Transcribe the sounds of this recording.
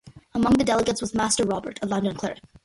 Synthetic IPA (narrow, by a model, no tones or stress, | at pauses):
əmʌ̃ŋðɨdɛlˠəɡətswʌzmæstə˞ɹɑbə˞ɾəlʌ̃ndɨ̃nkʰl̥ɛ̰ɹɨk